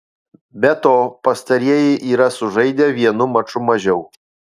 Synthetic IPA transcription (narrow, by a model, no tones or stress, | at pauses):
bʲɛt̪oːpɐst̪ɐɾʲiɛjɛɪʔiːɾɐsʊʒɐɪd̪ʲɛːʋʲiɛnʊmɐt͡ʃʊmɐʒʲɛʊ